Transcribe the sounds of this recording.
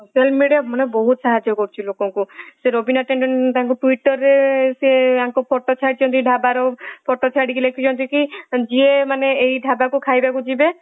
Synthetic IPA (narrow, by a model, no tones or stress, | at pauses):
selmmiɽiamɔnebɔɦut̪saɦad͡ʒɔkɔɾt͡ʃʰilokɔŋkuseɾobinaʈeɳɖɔɳt̪aŋkuʈuiʈɔɾːeseaŋkupʰɔʈɔt͡ʃʰaɽit͡ʃʰɔnt̪ʰiɖʱabaɾɔpʰɔʈɔt͡ʃʰaɽikilekʰit͡ʃʰɔnt̪ʰikid͡ʒiemaneeɦiɖʱabakukʰajbakud͡ʒibe